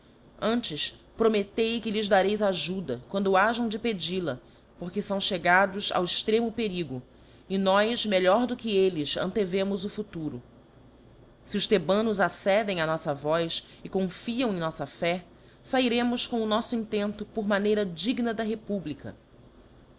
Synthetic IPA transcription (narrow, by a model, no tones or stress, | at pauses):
ɐ̃nt͡ʃɪspɾomet̪ejkɪlɪzd̪aɾejzaʒud̪ɐkwɐ̃nd̪ʊaʒɐ̃w̃d͡ʒɪped͡ʒilɐ | poɾkɪsɐ̃w̃ʃeɡad̪ʊza̰wɪʃt̪ɾẽmʊpeɾiɡʊ | ɪnɔjʃmeʎɔɾd̪ʊkɪelɪʃɐ̰̃nt̪evẽmʊzʊfut̪uɾʊ̰ | siʊʃt̪ebɐ̃nʊzasɛd̪ẽj̃ɐnɔsɐvɔjs | ɪkõfiɐ̃w̃ẽj̃nɔsɐfɛ | saiɾẽmʊskõʊnɔsʊĩnt̪ẽnt̪ʊpʊɾmanejɾɐd͡ʒiɡnɐd̪ɐɦepublikɐ̰